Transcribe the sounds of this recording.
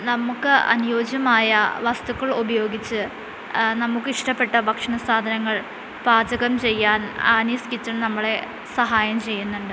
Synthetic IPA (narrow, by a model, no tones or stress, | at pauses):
nɐmukːɨɐ̰nujo̞ːd͡ʑɐmaːjɐʋɐst̪ukːɐɭubɐjo̞ːɡit͡ɕːɨ | nɐmukːɨiʂʈɐpːe̞ʈːɐbʱɐkʂɐɳɐsaːd̪ʱɐnɐŋːɐɭ | baːd͡ʑɐɣɐmt͡ɕe̞jːaːnaːniskitːɐnnɐmːɐɭe̞ | sɐɦaːjɐmt͡ɕe̞jːunːuɳɖɨ